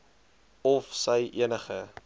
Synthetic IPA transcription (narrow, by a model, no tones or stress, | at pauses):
ɔfsəjʔḭənəχə